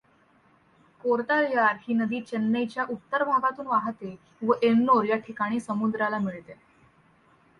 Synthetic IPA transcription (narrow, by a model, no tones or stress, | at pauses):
koɾt̪aljaɾhiːnəd̪iːt͡ɕənːəjt͡ɕjaʔut̪ːəɾbʱaɡat̪uːnʋaɦt̪e | ʋəʔennoɾjaʈʰikaɽ̃iːsəmud̪ɾalamiɭt̪e